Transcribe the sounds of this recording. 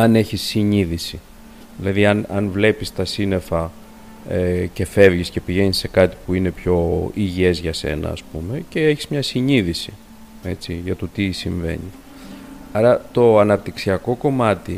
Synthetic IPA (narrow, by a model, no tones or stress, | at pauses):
ɐne̞çisːiɲiðisi | ðilɐðiɐnɐnvle̞pist̪ɐsine̞fɐ | ece̞fe̞vʝisce̞piʝe̞ɲisːe̞kɐt̪i̥puine̞pço̞iʝie̞zʝɐse̞̰nɐ̰ːspume̞ce̞eçizmɲɐsiɲiðisi | e̞t͡siʝɐt̪ot̪isiɱve̞̰ɲi | ɐɾɐt̪o̞ɐnɐpt̪iksiɐko̞ko̞mɐt̪i